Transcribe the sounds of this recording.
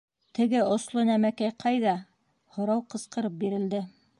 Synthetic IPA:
t̪ɘ̆ɡɘŏslˠonæmækæjqʰɑjðɑ | hŏɾɑwqɤ̆sqɤ̆ɾɤp̚biɾɘ̆ld̪ɘ

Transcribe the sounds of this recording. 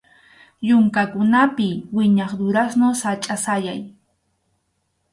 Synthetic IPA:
jʊŋkakʊnapɪwɪɲɑχd̪ʊɾasnosat͡ʃʼasajaj

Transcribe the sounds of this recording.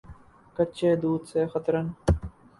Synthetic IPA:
kəːt͡ʃʰeːd̪uːd̪seːxət̪ɾən

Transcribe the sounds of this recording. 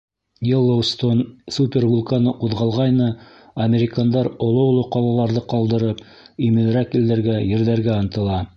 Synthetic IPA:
jʲelˠːowst̪onsupʲervulˠkanɤʔuðʁɑlˠʁɑjnɤ | ɐmʲeɾʲɪkand̪ɑɾŏlˠoŏlˠoqɑlˠɑlˠɑɾðɤqɑlˠd̪ɤ̆ɾɤp | imɘ̆n̆ɾækild̪æɾɡæjɘ̆ɾðæɾɡæɑnt̪ɤ̆lˠɑ

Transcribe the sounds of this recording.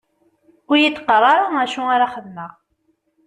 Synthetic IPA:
ʊɾjət̪ːqərˤːɑɾˤɑnæʃuaɾaχəðməʁ

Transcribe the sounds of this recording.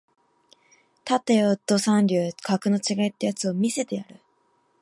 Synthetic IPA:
t̪at̪ːejot̪ːo̞sãnɾʲɯːkʰakɯ̟no̞t͡ɕiɡait̪ːe̞jat͡sɨo̞mʲise̞t̪e̞jaɾɯ̟

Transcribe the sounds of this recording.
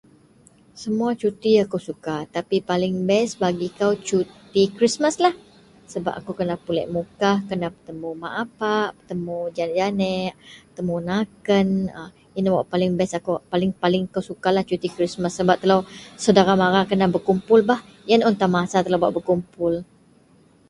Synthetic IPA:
səmuat͡ʃut̪iakuwsukat̪apipalɪŋbɛsbaɡikawt͡ʃut̪ikɾismaslah | səba̰p̚akukənapulɛ̰ʔmukahkənahpət̪əmumaʔapaʔpət̪əmud͡ʒanʔd͡ʒanɛʔət̪əmunakənə | inwaʔpalɪŋbɛsakupalɪŋpalɪŋkawsukalaht͡ʃut̪ikɾisməsːəbap̚t̪əlawsədaɾamaɾakənahbərkumpʊlbah | janunt̪amasat̪əlabaʔbərkumpʊl

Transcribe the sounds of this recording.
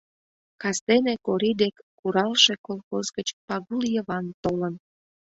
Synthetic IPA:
kɑst̪enekoɾid̪ekːuɾɑlʃekolˠxozɣət͡ɕpɑɣuljəβɑnt̪olən

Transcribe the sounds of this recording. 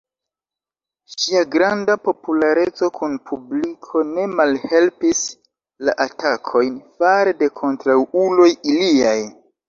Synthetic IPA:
ʃiaɡɾandapo̞pulaɾe̞t͡so̞kunpʰublikʰo̞ne̞malhe̞lpis | laʔatakʰo̞jnfaɾede̞kʰo̞ntɾawulo̞jiliaj

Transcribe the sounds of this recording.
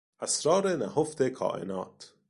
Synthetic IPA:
ʔæsɾɒːɾenæhoft̪ʰekʰɒ̰ːʔe̞̰nɒːt̪ʰ

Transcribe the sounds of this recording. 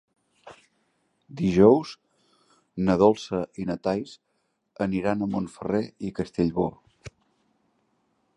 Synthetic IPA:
d̪iʒɔwz | nəðɔlˠsəʔinət̪ajs | əniɾanəmonfəreikəst̪eʎβo

